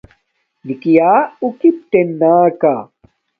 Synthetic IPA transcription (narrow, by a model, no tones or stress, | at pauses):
nikijaːukip̚t̪enːaːka